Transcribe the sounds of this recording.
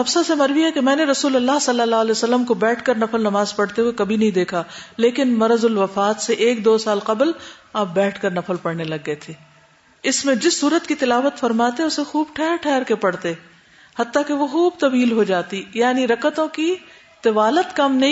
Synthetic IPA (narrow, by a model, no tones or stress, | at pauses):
ɐbsasemɐɾʋiɦɛkemɛ̃ːneɾɐsuːlɐlːaːɦsɐlːəlːaːɦɐlɛːosɐlːəmkobɛːʈʰkɐɾnɐfəlnɐmaːzpɐɽt̪eɦuwekɐbʱinɐɦĩd̪eːkʰaleːkɪnmɐɾəzʊlʋɐfaːt̪seʔeːk̚d̪oːsaːlqɐblaːp̚bɛːʈʰkɐɾnɐfəlpɐɽnelɐɡːɐet̪ʰeː | ɪsmẽd͡ʒɪsːuːɾət̪kit̪ɪlaːʋət̪fɐɾmaːt̪eʊsexuːbʈʰɛːɾʈʰɛːɾkepɐɽt̪e | hɐt̪ːakeʋoxuːbt̪ɐbiːlɦod͡ʒaːt̪ijaːniɾɐkət̪õki | t̪ɪʋaːlət̪kɐmnɐɦĩ